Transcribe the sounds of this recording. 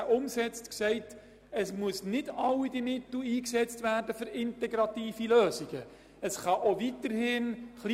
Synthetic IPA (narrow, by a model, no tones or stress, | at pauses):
ʔʊmsɛt͡stksɛɪt | əsmuəsnɪdɑwidimɪtl̩iːksɛt͡stværdəfʏɾɪntɛɡɾɑtiːfiløːziɡ̥ə | əsχɑʔovitəɾhɪnχli